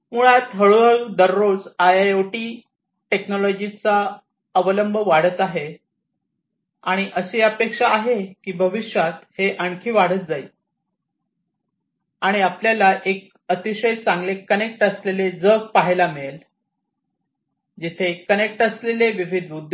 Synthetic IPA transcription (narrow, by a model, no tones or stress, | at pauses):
muɭat̪ɦəɭuəɭud̪əɾːod͡zajajoʈi | ʈeknɔlɔd͡ʑit͡sa | əʋələmbʱəʋaɽ̤ət̪aɦe | aɽ̃iʔəɕeəpekʂaːɦekiːbʱəʋiʂjat̪heʔəɳkʰiːʋaɽ̤ət̪̚d͡zai | aɽ̃iapljalaʔek̚ | ət̪iɕəjt͡sãŋɡlekənek̚ʈəsleled͡zək̚paɦjlamel | d͡ʑit̪ʰekənek̚ʈəsleleʋiʋid̪ud̪